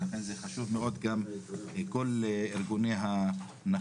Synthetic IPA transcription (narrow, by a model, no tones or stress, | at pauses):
laχenzeχaʃuvmeo̞d̪ɡamkoliɾɡunejɦa | na